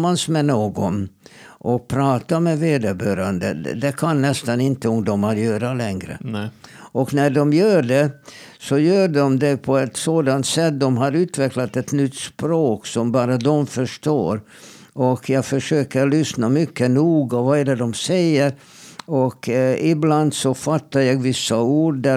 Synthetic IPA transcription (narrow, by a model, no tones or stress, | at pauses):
mansmɛnoːɡɔnʔɔk̚pʰɾɑːt̪amɛveːd̪əbœːɾand̪ə̰d̪ɛkʰanːɛst̪anɪnt̪əɔmd̪ɔmaɾjœːɾalɛŋɾə̰ | ʔɔknæɖɔmjœːɖɛ | sɔjœːɖɔmd̪ɛpʰɔɛt̪soːd̪ant̪sɛt̪̚d̪ɔmɦaɾʉ̟ːt̪vɛklat̪ɛt̪nʏt̪ːspɾoːksɔmbɑːɾad̪ɔmfœʂʈoːɾ | ɔkʰjɑːɡfœʂøːkəlʏsnamʏkːənuːɡɔvaɛːɖəd̪ɔmsɛjːəɾ | ɔkɪbland̪sɔfat̪ːaɾjɑːɡvɪsːauːɖæ